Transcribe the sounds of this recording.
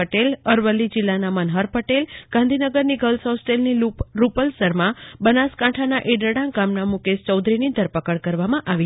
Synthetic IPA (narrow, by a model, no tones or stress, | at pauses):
əʈeləɾʋəlːid͡ʒɪlːanamənɦəɾpəʈelɡ̥ãnd̪ʱinəɡəɾniɡəlsosʈelniɾupəlsəɾmãbənaskãʈʰanaʔeɖəɽãɡamnamũkest͡ʃəwd̪ɾinid̪ʱəɾpəkəɭkəɾʋamãʔaʋi